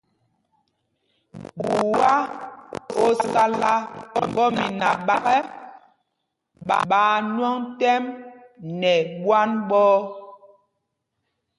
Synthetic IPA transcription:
ɓu˨wa˦ | o˦sa˦la˦˨ŋɡɔ˦mi˨na˨ɓa˨ɣɛ˦ | ɓa̰˨ɓaː˨˦nwɔ˦ŋtɛ˦m | nɛ˨ɓwa˦nɓɔː˦

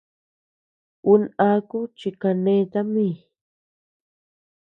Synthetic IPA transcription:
u˦na˦ku˦t͡ʃi˨ka˨nẽ˦t̪a˦mi˦˨

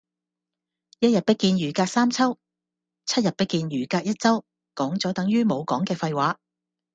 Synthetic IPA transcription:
jɐ˥t̚jɐ˨t̚pɐ˥kːiː˧njyː˨˩kaː˧k̚saː˥mt͡sʰɐ˥w | t͡sʰɐ˥t̚jɐ˨t̚pɐ˥kːiː˧njyː˨˩kaː˧k̚jɐ˥t̚t͡sɐ˥w | kɔː˨˥ŋt͡sɔː˨˥t̪ɐ˨˥ŋjyː˥mo˨˧wkɔː˨˥ŋkɛː˧fɐ˧jwaː˨˧˥

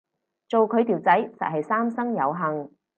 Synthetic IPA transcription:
t͡so˨wkʰɵ˨˧ɥt̪iː˨˩wt͡sɐ˨˥jsɐ̰˨t̚ɦɐ˨jsaː˥msɐ˥ŋjɐ˨˧wɦɐ˨ŋ

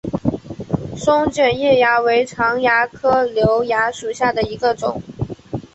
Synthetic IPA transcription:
ʂʊ˥ŋt͡ɕɥɛ˨˩njɛ˥˩ja˧˥we˧˥ɪʈ͡ʂʰɑ˧˥ŋja˧˥kʰɤ˥ljo˧˥ʊja˧˥ʂu˨˩ɕja˥˩d̪ə˩i˧˥ɡə˧ʈ͡ʂʊ̰˨˩˦ŋ

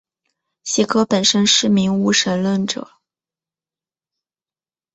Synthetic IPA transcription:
ɕɛ˧˥kʰɤ˧˥pə˨˩nʂə˥nʂɻ̩˥˩mi˧˥ŋu˥˩ʂə˧˥nlwə˥˩nʈ͡ʂɤ̰˨˩˦

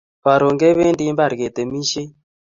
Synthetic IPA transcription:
βa˨ɾo˨ŋɡe˦βe˦ndi˦mba˨ɾɣe˨t̪e˨mi˦ʃe˦

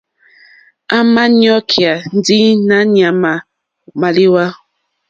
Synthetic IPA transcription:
a˦ma˦ni˦ɔ˦kʰi˨a˨n˦di˦na˨˦ni˨a˨ma˨ | ma˨li˦wa˦

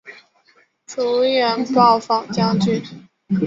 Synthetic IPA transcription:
ʈ͡ʂu˧˥ɥɛ˧˥npɑ˥˩ʊfɑ˨˩ŋt͡ɕjɑ˥˧ŋt͡ɕy˥˩n

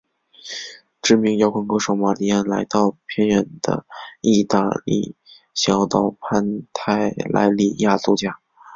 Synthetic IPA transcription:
ʈ͡ʂɻ̩˥˩mi˧˥ŋjɑ˧˥ʊkʰə˥nkɤ˥ʂo˨˥ʊma˨˩li˧˥a˥˩nla˧˥ɪt̪ɑ˥˩ʊpʰjɛ˥˧nɥɛ˧˩nd̪̥ə̰˧i˥˧t̪a˥˧lḭ˥˩ | ɕjɑ˧˥ʊt̪ɑ˥˩ʊpʰa˥˧nt̪ʰa˥˩ɪlʔa̰˧˥ɪli˥˧˩ja˥˧t͡su˥˧t͡ɕja˥˩

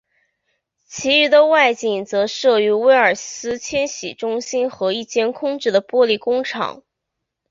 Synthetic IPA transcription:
t͡ɕʰi˧˥y˧˥d̪ə˧wa˥˧ɪt͡ɕi˥˩ŋt͡sɤ˧˥ʂɤ˥˩y˧˥we˥ɪə˞˨˩sɹ̩˥t͡ɕʰjɛ˥nɕḭ˨˩ʈ͡ʂʊ˥ŋɕi˥nxɤ˧˥i˥˩t͡ɕjɛ˥˧nkʰʊ˥ŋʈ͡ʂɻ̩˥˩d̪ə˩pwɔ˥li˥˩kʊ˥ŋʈ͡ʂʰɑ̰˨˩˦ŋ

